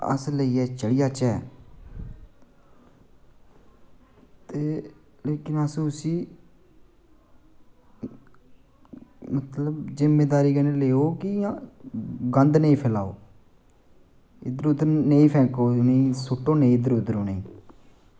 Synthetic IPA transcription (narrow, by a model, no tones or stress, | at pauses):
ə̰sləiːɛːt͡ʃəɽɪjaːt͡ʃɛː | t̪eː | leːkɪnəsʊsiː | mət̪ləbzɪmːeːd̪aːɾiːɡəneleːoːkɪ | ɡənd̪nəĩːpʰɪla̰ːo̰ː | ɪd̪əɾʊd̪əɾneĩːpʰɛ̃ːkoːnẽːsʊʈːõːnəĩːɪd̪əɾʊd̪əɾõːnəĩː